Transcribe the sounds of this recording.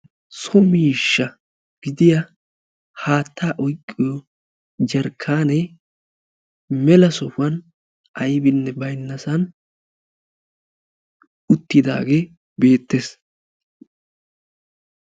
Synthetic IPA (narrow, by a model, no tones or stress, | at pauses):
sɔmiːʃːɐ | ɡ̥ɪd̪ɪja | haːt̪ːaːʔɔjkʼːɪjɔ | d͡ʒɛɾkʰːaːnɛ | mɛlɐsɔfʊɐn | ʔɐjbɪnːɛbɐjnːɐsɐn | ʊt̪ːɪd̪a̰ːɡe̞ː | be̞ːt̪ːes